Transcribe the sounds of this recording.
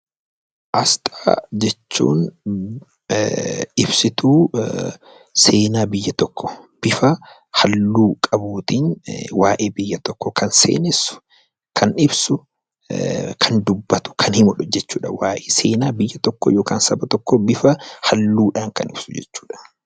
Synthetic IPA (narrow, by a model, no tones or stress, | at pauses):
ʔɐst̪ʼaːd͡ʒɛt͡ʃːṵːn | ɪbsɪt̪uː | se̞ːnaːbɪjːɐt̪ɔkːɔ̥b̥ɪfɐ | hɐlːuːkʼɐbuːt̪inwaːʔeːbɪjːɐt̪ɔkːɔkʰɐnsḛːnɪsʊ̥ | kʰɐnɪbsʊ | kʰɐnd̪ʊbːɐt̪ʊ̥kʰɐnhɪmʊᶑʊd͡ʒɛt͡ʃːuːᶑɐwaːʔeːseːnaːbɪjːɐt̪ɔkːɔ̰joːkaːnsɐbɐt̪ɔkːɔbɪfɐhɐlːuːᶑaːŋkɐ̰nɪ̰b̥sʊd͡ʒɛ̰t͡ʃːu̥ːᶑɐ̥